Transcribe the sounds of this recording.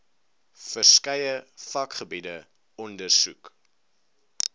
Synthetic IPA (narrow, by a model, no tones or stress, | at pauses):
fərskɐjəfɐkχəbidə | ɔndərsuk